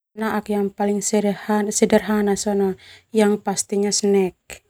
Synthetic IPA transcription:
naʔakjaŋpaliŋsɛɾhasɛdərɦanasɔnɔjaŋpast̪iɲasənɛk̚

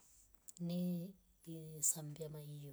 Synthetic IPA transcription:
ni | isambiamaiː

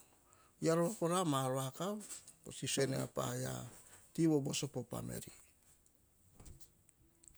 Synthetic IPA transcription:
jaɾoakoɾamaɾoakaposisenea̰pa̰ja̰tiwobosopopa̰mḛɾi

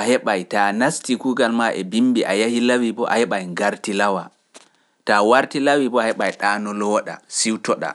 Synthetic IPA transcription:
ʔahɛɓajtanastikuːɡalmaʔɛbimbiʔajahilawibɔʔa̰hɛɓajŋɡaɾtilawa | tawaɾtilawibɔahɛɓajɗaːnɔlɔɗa̰siwtɔɗa̰

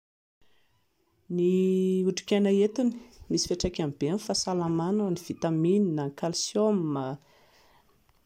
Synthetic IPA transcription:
niuʈ͡ʂi̥kʲanaet̪uni̥misi̥feʈ͡ʂakʲambenfasalamanaaniv̥it̪amininaŋkalsjomːa

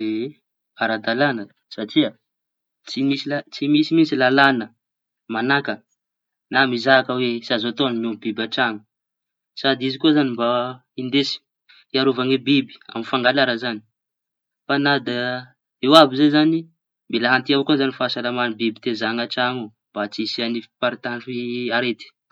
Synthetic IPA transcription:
e | aɾad̪alanə | saʈ͡ʂiə | t͡simisilat͡simisimisilalanə | manakə | namizaakəwesiazat̪onmombibaʈ͡ʂaŋu | sad̪izikuazanimba | ind̪esi̥ | iaɾuvaŋebibi̥a̰mifaŋɡalaɾəzani̥ | fanad̪a | ewabizezani | milaɦant̪iaokuzanifasalamanbibit̪ezaŋaʈ͡ʂaŋu | b̥at͡sisianipaɾit̪aɳɖ͡ʐuiaɾet̪i̥

